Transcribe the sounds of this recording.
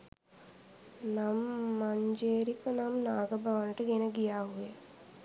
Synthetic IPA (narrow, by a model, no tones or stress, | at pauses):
namːaɲd͡ʒeːɾikənamnaːɡəbaʋənəʈəɡenəɡijaːɦuje